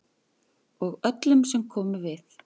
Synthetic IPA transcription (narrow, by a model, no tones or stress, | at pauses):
ɔɣœt̪lʏmsɛmkʰɔːmʏvɪθ